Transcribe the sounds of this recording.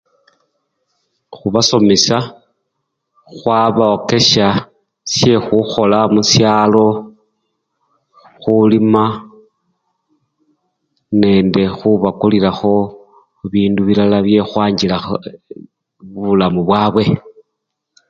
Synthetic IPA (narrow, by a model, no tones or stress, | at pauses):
xuβaso̞mesa | xwaβaoke̞ʃa | sje̞xuxo̞lamusjaːlo̞ | xulima | ne̞nde̞xuβakuliɾaxo̞ | βiːnduβilalaβje̞xwaːɲɟila | ββulamuβwaːβwe̞